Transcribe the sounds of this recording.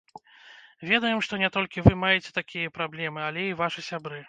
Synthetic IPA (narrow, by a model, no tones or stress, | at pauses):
vʲɛd̪ɐjɛmʂt̪ɔnʲɛt̪ɔlʲkʲivɨmajɛt͡sʲɛ̥t̪akʲijɐpɾablʲɛmɨalʲɛivaʂɨsʲabɾɨ